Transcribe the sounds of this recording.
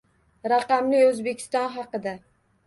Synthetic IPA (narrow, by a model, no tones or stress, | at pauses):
ɾaqɑmlɪɵzbe̞kʲʰɪ̥st̪ɒnɦɑqɨd̪a